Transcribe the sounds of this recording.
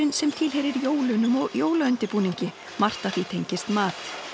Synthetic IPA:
ɪnsɛmt̪ʰɪlɦejɾɪɾjoːwlʏnʏmjoːwlaʏnt̪ɪpuːniɲcɪ | mar̥t̪aθit̪ʰejɲcɪst̪maːθ

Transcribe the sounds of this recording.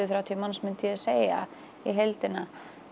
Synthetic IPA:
ɪθɾawt̪ʰiʏmansmʏnt̪ʰɪaseːja̰ | iɦejlt̪ɪna

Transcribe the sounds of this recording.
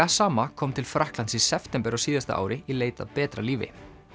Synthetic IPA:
asaːmakʰɔːmt̪ʰɪlfɾahklansisɛft̪ɛmpɛɾɔsiːðast̪a̰ʔa̰ːwɾɪileːjt̪a̰pɛːt̪ɾa̰liːvɪ̰

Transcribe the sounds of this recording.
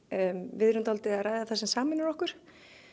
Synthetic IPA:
vɪðɾʏnt̪alt̪ɪaðɾaːjðaθasɛmsaːmɪnʏɾɔhkʏɾ̥

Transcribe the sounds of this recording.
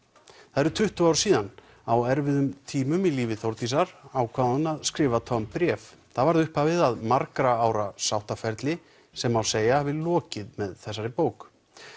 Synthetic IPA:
θaðɛɾʏt̪ʰʏht̪ʏawɾ̥siːðan | awɛɾvɪðʏmt̪ʰiːmʏmiliːvɪθowɾt̪is̬aɾawkʰvaːðnaðskɾɪːvat̪ʰɔmpɾjɛfθavaɾðʏhpavɪðaðmaɾkɾaaːwɾasawht̪afɛɾt̪lɪ | sɛmawseːjahavɪlɔːcɪðmɛðθɛsːaɾɪpoːwk

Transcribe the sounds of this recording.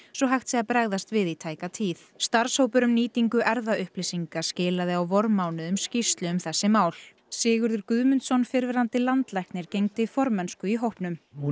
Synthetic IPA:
sɔɦajht̪siapɾɛɣðast̪vɪðit̪ʰaːjkat̪ʰiːθst̪aɾ̥showpʏɾʏmniːt̪iŋkʏʔɛɾðaʏhplisiŋkascɪːlaðɪawvɔɾmawnʏʏmscist̪lʏʏmθɛsːɪmaːwl̥ | sɪːɣʏɾðʏɾkʏðmʏnt̪sɔnfɪɾvɪɾant̪ɪlant̪lajhknɪɾ̥cejŋt̪ɪfɔɾmɛnskʏiɦowhpnʏm

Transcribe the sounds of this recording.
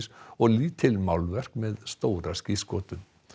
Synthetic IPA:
sɔɣliːt̪ʰːɪlmawlvɛr̥kmɛðst̪owɾasciskɔːt̪ʏm

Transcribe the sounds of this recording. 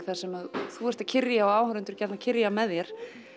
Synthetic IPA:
θḁsɛmaðθuɛɾ̥t̪acʰɪrjaɔɣaːwhɾʏnt̪ʏɾcɛɾt̪nacʰɪɾjamɛðjɛɾ̥

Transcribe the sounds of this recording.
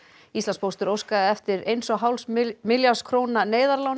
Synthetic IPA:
ist̪anspʰowst̪ʏɾowskaðɪɛft̪ɪɾejnsɔɣɦawlsmɪljaskʰɾownaneːjðaɾlawn

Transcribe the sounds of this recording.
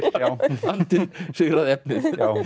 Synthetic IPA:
aant̪ɪnsɪɣɾaðɛp̚nɪð

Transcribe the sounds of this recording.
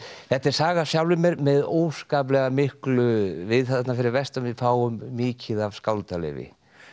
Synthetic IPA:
θɛht̪ɛɾ̥saːɣasjawlvɪmɛɾmɛðoːwskaːp̬lɛɣamɪhklʏvɪðθat̪nafɪɾɪɾvɛst̪ʏmvɪfaːwʏmːiːcʰɪðav̥skawlt̪alɛ̰ːvɪ̰

